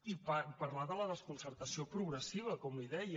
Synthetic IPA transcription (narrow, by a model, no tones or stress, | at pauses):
ipapəɾlaðələðəskunsəɾt̪əsiopɾuɣɾəsiβ̞əkɔmliðɛjə